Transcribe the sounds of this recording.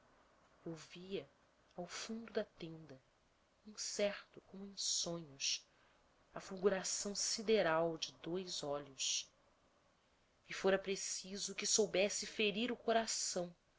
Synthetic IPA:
owviɐ | awfũnd̪ʊd̪ɐt̪ẽnd̪ɐ | ĩsɛχt̪ʊkõmʊẽsõɲʊs | ɐfuɡuɾasɐ̃w̃sid̪eɾawd͡ʒɪd̪ojzɔʎʊs | ɪfoɾɐpɾesizʊkɪsowbɛsɪfeɾiɾʊkoɾasɐ̃w̃

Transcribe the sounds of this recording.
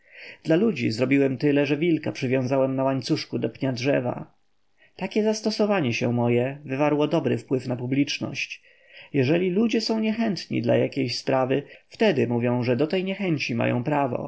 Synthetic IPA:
d̪̥lalud͡ʑḭzɾɔbʲiwɛmt̪ɘlɛʐɛvʲilkapʂɘvʲjɔ̃w̃zawɛmnawaɲt̪suʂkud̪ɔpɲadʐɛva̰ | t̪akʲɛzast̪ɔsɔvaɲɛɕɛmɔjɛvɘvaɾwɔd̪ɔbɾɘfpwɘfnapublʲit͡ʂnɔ̰ɕt͡ɕ | jɛʐɛlʲilud͡ʑɛsɔ̃w̃ɲɛxɛnt̪ɲḭd̪la̰jakʲejɕspɾavɘft̪ɛd̪ɘmuvʲjɔ̃w̃ʐɛd̪ɔt̪ɛjɲɛxɛɲt͡ɕima̰jɔ̰̃w̃pɾavɔ̰

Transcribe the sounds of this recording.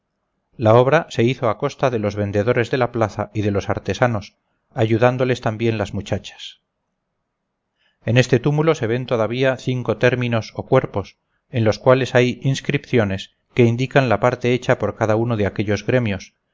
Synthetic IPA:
lao̞βɾase̞iθo̞ako̞st̪aðe̞lo̞zβe̞nd̪e̞ðo̞ɾe̞zðe̞laplaθa̰iðe̞lo̞sa̰ɾt̪e̞sano̞s | aʝuðand̪o̞le̞st̪ambje̞nlazmut͡ʃat͡ʃḁs | e̞ne̞st̪e̞t̪umulo̞se̞βe̞nt̪o̞ðaβ̞iaθiŋko̞t̪e̞ɾmĩno̞so̞kwe̞ɾpo̞s | e̞nlo̞skwale̞sajinskɾipθjo̞ne̞s | ke̞ind̪ikanlapaɾt̪e̞et͡ʃapo̞ɾkaðauno̞ðeake̞ʎo̞zɣɾe̞mjo̞s

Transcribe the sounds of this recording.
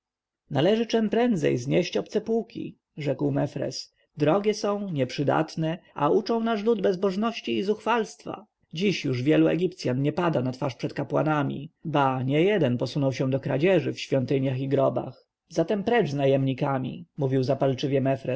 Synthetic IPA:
nalɛʐɘt͡ʂɛmpɾɛnd̪zɛ̰jzɲɛɕt͡ɕɔp̚t̪sɛpukʲḭ | ʐɛkwmɛfɾɛ̰s | d̪ɾɔɡʲɛsɔ̃w̃ɲɛpʂɘd̪a̰t̪nɛa̰ut͡ʂɔ̃w̃naʂlud̪bɛzbɔʐnɔɕt͡ɕiːzuxfalst̪fa̰ | d͡ʑiɕjuʐvʲjɛluɛ̰ɡʲipt̪sʲjanɲɛpad̪anat̪faʂpʂɛt̪kapwa̰namʲḭbaɲɛjɛd̪ɛnpɔsunɔwɕɛ̃d̪ɔkɾa̰d͡ʑɛʐɘfɕfʲjɔnt̪ɘɲjaxiɡɾɔba̰x | zat̪ɛmpɾɛd͡ʐznajɛmɲikamʲḭmuvʲiwzapalt͡ʂɘvʲjɛmɛfɾɛ

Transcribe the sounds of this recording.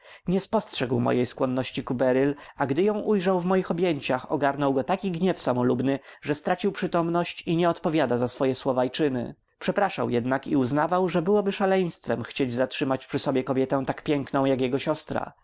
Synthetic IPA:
ɲɛspɔstʂɛɡwmɔ̰jejskwɔnːɔɕt͡ɕikubɛɾilaɡd̪ɘjɔ̃w̃ʔujʐawvmɔjixɔbʲjɛɲt͡ɕaxɔ̰ɡaɾnɔwɡɔt̪akʲiɡɲɛfsamɔlubnɘʐɛst̪ɾat͡ɕiwpʂɘt̪ɔmnɔɕt͡ɕiɲɛɔt̪pɔvʲjad̪azasfɔjɛswɔvajt͡ʂɘnɘ̰ | pʂɛpɾaʂa̰wjɛd̪nakiuznavawʐɛbɘwɔbɘʂalɛj̃st̪fɛmxt͡ɕed͡ʑzatʂɘmat͡ɕpʂɘsɔbʲjɛkɔbʲjɛt̪ɛ̃w̃t̪akpʲjɛŋknɔ̃w̃jakjɛɡɔɕɔst̪ɾa̰

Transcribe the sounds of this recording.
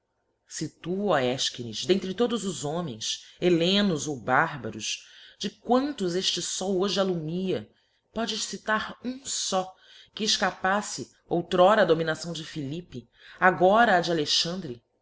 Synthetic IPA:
sɪt̪uɔɛʃkinizd̪ẽnt̪ɾɪt̪od̪ʊzʊzõmẽj̃selẽnʊzowbaɾbɐ̰ɾʊʃd͡ʒɪkwɐ̃nt̪ʊzeʃt͡ʃɪsɔwoʒɪalumiɐ | pɔd͡ʒɪʃsit̪aɾũsɔ | kɪːʃkapasɪ | owt̪ɾɔɾɐːd̪ominasɐ̃w̃d͡ʒɪfilipɪ | aɡɔɾɐːd͡ʒaleʃɐ̃nd̪ɾɪ

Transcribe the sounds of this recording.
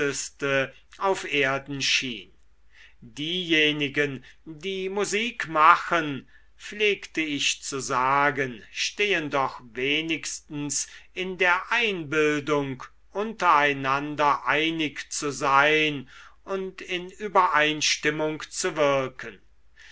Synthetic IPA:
əstə | ʔaʊfʔeːɐdn̩ʃiːn | diːjeːnɪɡəndiːmuziːkmaxən | fleːktəɪʃt͡suzaːɡənʃteːəndɔχveːnɪkstn̩sɪndeːɐʔaɪnbɪldʊŋk | ʔʊntɐaɪnandɐʔaɪnɪkt͡suzaɪnʊntʰɪnyːbɐʔaɪnʃtɪmʊŋkt͡suvɪɐkʰən

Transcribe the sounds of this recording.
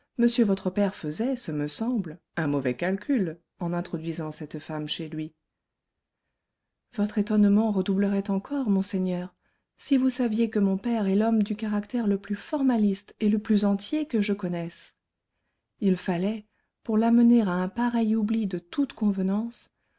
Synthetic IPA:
məsjøvɔt̪χəpɛʁfəzɛsəməsɑ̃bl | ɛ̃mɔvɛkalkʲʰyl | ɑ̃nɛ̃t̪χɔd̪ɥizɑ̃sɛt̪famʃelɥi | vɔt̪χet̪ɔnmɑ̃ʁəd̪ubləʁɛt̪ɑ̃kʰɔʁmɔ̃sɛɲœʁ | sivusavjekəmɔ̃pɛʁɛlɔmd̪ykaʁakt̪ɛʁləplyfɔʁmalist̪eləplyzɑ̃t̪jekəʒəkɔnɛs | ilfalɛ | puʁlaməneʁaɛ̃paʁɛjublid̪ət̪ut̪kɔ̃vənɑ̃s

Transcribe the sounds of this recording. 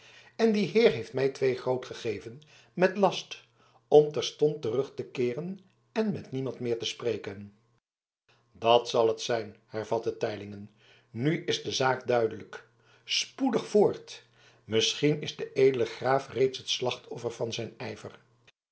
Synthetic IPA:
ɛndiɦɪːɹɦejftmɛjtʋejχrowtχəχejvən | mɛtlɑst | ɔmtɛɹstɔntərɵχtəkɪːrən | ɛnmɛtnimɑntmɪːɹtəsprejkən | dɑtsɑlˠətsɛjnhɛɹv̥ɑtətɛjlɪŋən | nyʔɪzdəzaːkdœɥdələk | spudəχfʊːɹt | mɪsχinɪzdəʔejdələχraːfrejtsɦətslɑχtʰɔfəɹvɑnzɛjnɛjvə̰r

